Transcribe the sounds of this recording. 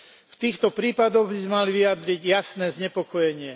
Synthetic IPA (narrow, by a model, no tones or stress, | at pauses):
ft̪iːxt̪ɔpɾiːpad̪ɔɣbizɛmaliʋijad̪ɾiɟjasnɛːzɲɛpɔkɔjɛɲɪɛ